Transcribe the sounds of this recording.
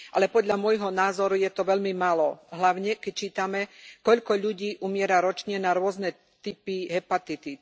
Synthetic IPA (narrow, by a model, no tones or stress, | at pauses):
ʔa̰lɛpɔd̪ʎamʊɔjɦɔnaːzɔɾujɛt̪ɔʋɛʎmimalɔɦlaʊɲɛkɛc̚t͡ʃiːt̪amɛkɔʎkɔʎuɟiːʔumɪɛɾaɾɔt͡ʃɲɛnaɾʊɔznɛ | t̪ipiɦɛpat̪it̪i